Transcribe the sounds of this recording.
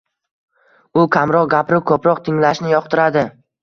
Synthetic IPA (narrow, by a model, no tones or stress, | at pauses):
ʊkʲʰamɾɒq̚ɡʲapɾɪkʰɵpɾɒqt̪ʰɪŋlaʃnɪjɒqt̪ʰɪɾad̪ɪ